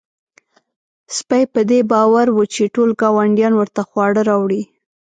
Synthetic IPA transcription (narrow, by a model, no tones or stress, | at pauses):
spajpəd̪ebɑwaɾwət͡ʃeʈolɡɑwaɳɖjɑnwəɾt̪axwɑɽəɾɑwɽi